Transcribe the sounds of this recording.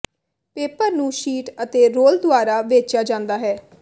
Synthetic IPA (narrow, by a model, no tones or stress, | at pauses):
peːpəɾnũːʃiːʈət̪eːɾoːld̪ʊaːɾaːʋeːt͡ʃjaːd͡ʒãːnd̪aːɦɛː